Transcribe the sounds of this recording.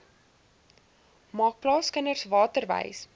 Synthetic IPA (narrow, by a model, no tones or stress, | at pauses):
mɑːk̚plɑːskənərsvɑːtərvɛ̰js